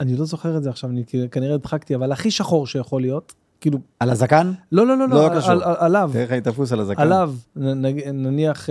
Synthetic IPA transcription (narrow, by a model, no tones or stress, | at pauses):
anilo̞zo̞χeʁezeaχʃavanikikaniʁeid̪χakt̪iavalaχiʃaχo̞ʁʃejaχo̞lijo̞t | kiːlualazakanlo̞lo̞lo̞llokaʃaalavd̪eeχait̪afusalazakalavnaɡinaniaχ